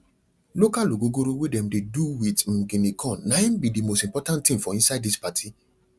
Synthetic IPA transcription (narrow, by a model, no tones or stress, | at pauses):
lokaloɡoɡoɾowedɛ̃mdeduwitm̩ɡĩnikʰɔ̃nːaĩnbidimostĩmpɔtãntːĩnfɔĩnsaɪdispatʰi